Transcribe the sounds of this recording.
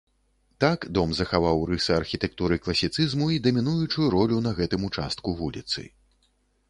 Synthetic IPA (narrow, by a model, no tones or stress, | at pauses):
t̪akd̪ɔmzɐxavawɾɨsɐɐrxʲit̪ɛk̚t̪uɾɨklˠɐsʲit̪sɨzmuid̪ɐmʲin̪ujut͡ʂujuɾɔlʲunɐɣɛt̪ɨmut͡ʂa̰st̪̚kuvulʲit̪sɨ̰